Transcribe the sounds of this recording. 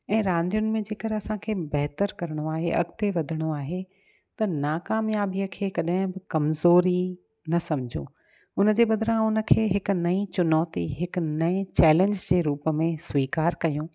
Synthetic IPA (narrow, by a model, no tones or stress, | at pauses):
ɛ̃ːɾãːnd̪ijʊnɪ̆mẽd͡ʑeːkɐɾɪɐsãkʰeːbɛɦt̪əɾkɐɾəɽ̃oaːɦeʔɐ̰ɡt̪eʋɐd̪ʱəɽ̃oaːɦe | t̪ɐnaːkaːmjaːbijəkʰeːkɐɗɦɪ̃bɪkɐmzoːɾi | nɐsɐmd͡ʑʱṵ̃ː | ʊnə̆d͡ʑeːɓɐd̪ʱɾãʊnə̆kʰeːɦɪkʊ̆nɐit͡ɕʊnɔːt̪ḭɦɪknɐẽt͡ɕɛːlẽɲd͡ʑd͡ʑeːɾuːpə̆mẽsʋiːkaːɾkɐjũː